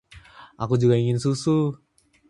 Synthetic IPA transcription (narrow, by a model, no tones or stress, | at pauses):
a̰kud͡ʒuɡaiŋinsusu